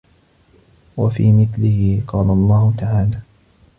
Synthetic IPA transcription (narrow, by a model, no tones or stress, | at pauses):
wafḭːmɪθlɪhɪqɑːlalˤːɑːhʊt̪aʕaːlaː